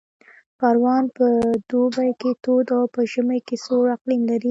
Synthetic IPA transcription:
pɑɾwɑnpəd̪̥obajket̪od̪awpəʒəməjkesoɾaqlimlaɾi

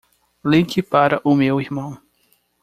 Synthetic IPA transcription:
lĩkɪpaɾɐʔʊmewihmɐ̃w̃

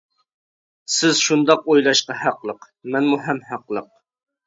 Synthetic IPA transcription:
sɪz̥ʃund̪ɑqojlˠɑʃqɑhæqlˠəq | mɛnmuɦɛmhæqlˠəq̚

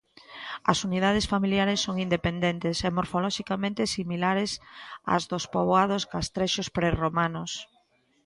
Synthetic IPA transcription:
ɐ̰sunið̞að̞ɪsfamiljaɾɪsːoŋind̪epend̪ent̪esɛmoɾfolɔʃikamẽnt̪ɪsimilaɾɪsa̰zðospoβoað̞osɡast̪ɾɛʃospɾeromanos

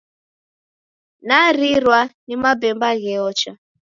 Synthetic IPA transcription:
naɾiɾwanimabɛmbaɣɛɔt͡ʃa

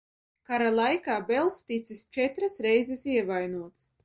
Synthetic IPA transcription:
kaɾalˠajkaːbɛlˠst̪it̪sʲist͡ʃɛt̪ɾasɾɛjzɛsiɛvajnuɔt̪s

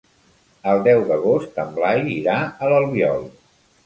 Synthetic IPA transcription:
əlˠd̪ɛwðəɣost̪əmblajiɾaələlˠβiɔlˠ

